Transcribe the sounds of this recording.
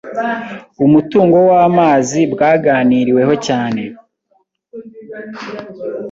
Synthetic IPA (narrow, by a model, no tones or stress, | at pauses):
umutuːŋɡo̞waːmaːzibɡaːɡaːniɾiwe̞ɦo̞caːne̞